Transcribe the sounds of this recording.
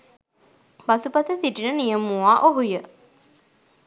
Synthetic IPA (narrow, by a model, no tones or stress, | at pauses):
basupat̪əsiʈinənijəmːuaʔoɦujə